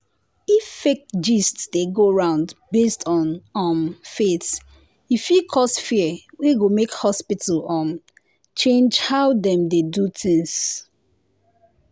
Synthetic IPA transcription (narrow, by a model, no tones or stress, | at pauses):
ifːek̚td͡ʒistsdeɡoɹãʊ̃ndbestʰɔ̃nɔmfet | ifjikʰɔsfiɛweɡomekhɔspitʰəl̩ɔm | t͡ʃẽnd͡ʒhaʊdɛ̃mdedutĩŋs